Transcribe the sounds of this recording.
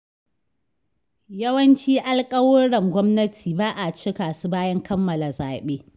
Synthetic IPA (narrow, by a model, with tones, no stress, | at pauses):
jɐ˦wɐ˦nt͡ʃiː˦ʔa˦lkʼɐ˦wʊ˦ɽɐ˨ŋɡʷɔ˦mnɐ˦tʰiː˨baː˦ʔa˨t͡ʃɪ˦kaː˨su˦baː˦jɐ˦ŋkɐ˦mːɐ˨la˨zaː˨ɓeː˦